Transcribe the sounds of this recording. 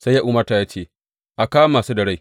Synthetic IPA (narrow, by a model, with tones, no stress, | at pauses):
sa˦jːaː˦ʔuː˦mɐ˦rta˨jaː˦t͡ʃeː˦˨ | ʔa˨kaː˦wmaː˨suː˦dɐ˨ɽe˦j